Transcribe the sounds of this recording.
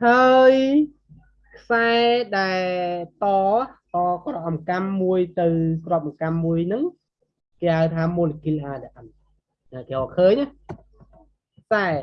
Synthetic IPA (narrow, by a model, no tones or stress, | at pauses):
haəj | kʰsaɛɗaɛlt̪ɑːkɑːkrɔʔɑmkamːuəjt̪ɨwkrŏəp̚ʔɑmkamːuəjnɨŋ | keːhaəjt̪ʰaːmoːlekilʔaːɗaʔam | ʔakeːʔɔkʰəːɲʔah | kʰsaɛ